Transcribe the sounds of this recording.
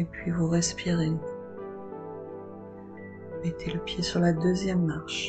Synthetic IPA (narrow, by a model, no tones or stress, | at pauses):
epɥivuʁɛspiʁe | met̪ʰeləpjesyʁlad̪øzjɛmːaʁʃ